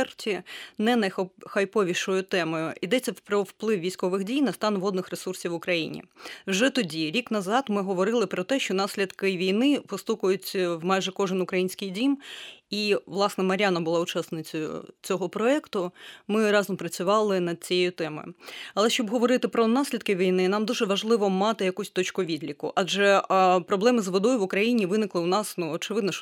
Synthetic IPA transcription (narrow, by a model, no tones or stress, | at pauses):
rtʲinɛnɐjxɐjpɔʋʲiʃɔjʊt̪ɛmɔjʊid̪ɛt͡sʲːɐwpɾɔwplˠɪwʋʲijsʲkɔʋɪxdʲijnɐst̪ɑnʋɔd̪nɪxresursʲiʋʊkɾɐjḭnʲḭwʒɛt̪ɔdʲiɾʲiknɐzɑt̪mɪɦɔʋɔɾɪlˠɪpɾɔt̪ɛʃt͡ʃɔnɑsʲlʲid̪kɪʋʲijnɪpɔst̪ukʊjʊtʲwmɑjʒɛkɔʐɨnʊkɾɐjinʲsʲkɪjdʲimiʋlˠɑsnɛmɐɾʲanɐbʊlˠɑʊt͡ʃɑsnɪt͡sʲɐjʊ̰t͡sʲɔɦɔpɾɔɛkt̪ʊmɪɾɑzɔmpɾɐt͡sʲʊʋɑlˠɪnɐd̪̚t͡sʲijɛjʊt̪ɛmɔ̰jʊɐlˠɛʃt͡ʃɔbɦɔʋɔɾɪt̪ɪpɾɔnɑsʲlʲid̪kɪʋʲijnɪnɑmd̪uʒɛʋɐʒlˠɪʋɔmɑt̪ɪjɐkusʲt̪ɔt͡ʃkʊʋʲid̪lʲikʊ̰ʔɑd͡ʒɛpɾɔblˠɛmɪzʋɔd̪ɔjʊʋʊkɾɐjinʲiʋɪnɪklˠɪʊnɑsnuɔt͡ʃɪʋɪd̪nɔʃ